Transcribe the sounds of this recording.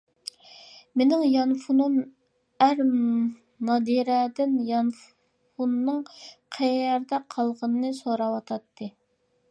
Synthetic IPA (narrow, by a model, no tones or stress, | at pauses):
menɪŋjɑnfunum | æɾ | nɑd̪iɾɛd̪ɪnjɑnf | funːɨŋqʰɛjɛɾd̪ɛqʰɑlˠʁənnɨsoɾɑwɑt̪ʰɑt̪ʰːɨ